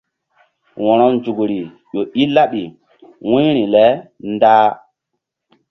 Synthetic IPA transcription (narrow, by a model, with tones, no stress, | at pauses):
wɔ̃˨ɾɔ˦nd͡ʒu˨kɾi˨ | ɓo˨ʔi˦la˦ɓi˨ | wũ˦ɾi˨lɛ˦ndaː˦